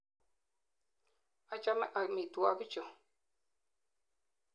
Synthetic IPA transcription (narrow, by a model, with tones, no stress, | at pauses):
a˦t͡ʃa˦mɛ̰˦ʔa˨mi˨tu˨a˦ki˦t͡ʃo˨